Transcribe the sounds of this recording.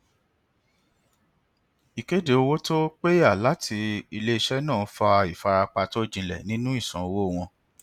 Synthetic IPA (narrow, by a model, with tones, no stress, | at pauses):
i˨ke˦de˦o˧wo˦to˦k͡pe˦ja˦˨la˨˦tʰi˧i˧le˦i˧ʃɛ˦nãː˦˨˦fa˧i˨fa˧ɾa˧k͡pa˧to˦˨d͡ʒĩ˧˨lɛ̰˨nĩ˦nũ˦i˦˨sã̰˨o˧wo˦˨w̃ɔ̃˧